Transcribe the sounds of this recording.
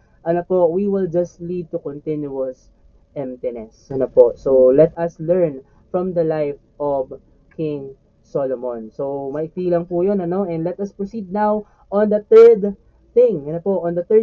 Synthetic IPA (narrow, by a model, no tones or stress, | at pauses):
ʔɐnopowiwɪld͡ʒɐst̪lid̪̚t̪ukɔ̃nt̪ɪnjuɐs | ʔɛmt̪ɪnɛsɐnoposowlɛt̪ɐslɛɹn | fɹɔ̃md̪ɐlajfʔɔv | kʰɪ̃ŋ | solomõnsowmɐʔɪt̪iːlɐŋpujonɐnoʔɛ̃nd̪lɛt̪ɐspɹosid̪̚naw | ʔɔ̃nd̪ɐθɛɹd̪ | θɪ̃ŋjɐnopoʔɔ̃nd̪ɐt̪ɛ